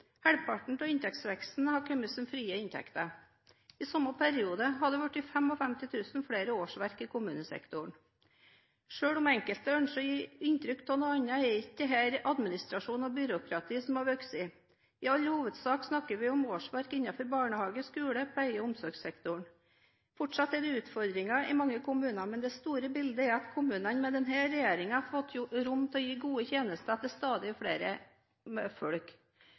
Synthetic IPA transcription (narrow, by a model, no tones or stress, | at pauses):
hæɽpʰɑʈɳ̩t̪ʰɔɪnt̪ʰɛkt̪sʋɛkst̪n̩hɑkʰœməsəmfɾiːəɪnt̪ʰɛ̰kt̪ə | iːsɔmːɑpʰæɾɪuːd̪əɦɑd̪ɛʋʉʈːɪfɛmɔfɛmt̪ɪt̪ʰʉːsnfɽeːɾəoːʂʋæɾkiːkʰʊmʉːnəsɛ̰kt̪ʊɳ | ʂøːɽʊmɛŋkəlt̪œɳʂəjiːɪnt̪ɾʏkt̪ʰɔnɔɑɲːɑɛɾɪtːəɦæːɾɑd̪mɪnɪst̪ɾɑʂuːnɔbʏɾʊkʰɾɑt̪ʰiːsɔmɑʋœksɪː | ɪɑlːhuːʋəd̪sɑːksnɑkːəɾʋɪɔmoːʂʋæɾkɪnːɑfɔɾbɑːɳəhɑːɡəskʉːləpʰæɪəɔʊmsɔɾɡsɛkt̪ʊɳ | fɔʈʂɑt̪ːɛd̪ɛʉːt̪fɔɾd̪ɾɪŋɑʔɪ̰mɑŋːəkʊmʉːnɑmɛnd̪ɛst̪uːɾəbɪld̪əɛɾɑt̪kʰʊmʉːnɑnmɛd̪ɛnɦæːɾɛjeːɾɪŋɑɑfɔt̪ʰːjʊɾʊmt̪ʰɛɔjiːɡuːət̪ʰjeːnəst̪ət̪ʰɪlst̪ɑːd̪ɪɔfɽeːɾə | ɛfɔɽk